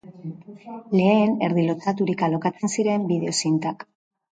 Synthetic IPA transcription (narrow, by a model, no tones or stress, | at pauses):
le̞ːne̞ɾðilo̞t͡s̪at̪uɾikalo̞kat͡se̞nsiɾe̞mbiðe̞o̞sint̪ak